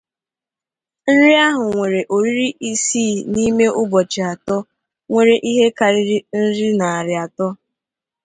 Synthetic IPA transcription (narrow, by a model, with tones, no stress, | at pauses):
n̩˦ɾi˦a˦ɦʊ˨ŋʷe˨ɾe˨ʔo˨ɾi˦ɾi˦ʔi˦siː˦˨ni˦me˦ʔʊ˦bɔ˨t͡ʃɪ˨a˨tɔ˦ | ŋʷe˨ɾe˨ʔi˦ɦe˦ka˨ɾɪ˦ɾi˦n̩˦ɾi˦na˨a˨ɾɪ˨a˨tɔ˦